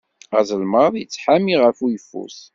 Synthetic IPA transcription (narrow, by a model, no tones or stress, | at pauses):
æ̰zəlməðˤjət͡sːħamiʁəfujəfːṵs